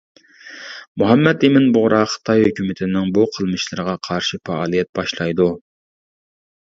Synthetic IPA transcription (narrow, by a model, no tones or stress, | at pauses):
muɦɛmːɛd̪ɪmɪnbʊʁɾʔɑχə̥t̪ʰɑjhøkʲymɪt̪ʰɪnɪŋbuqʰəlˠmɨʃlˠɨɾəʁɑqʰɑɾʃifɑɑːlˠijɛt̪̚bɑʃlˠɑjd̪u